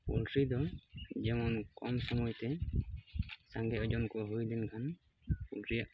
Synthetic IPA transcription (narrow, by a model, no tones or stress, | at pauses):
puldɾid̪ɔd͡ʒɛmɔnkɔ̰msɔmɔjt̪ɛ | saŋɡɛɔd͡ʒɔnkɔɦujd̪ɛnɡʱan | puldɾijaʔ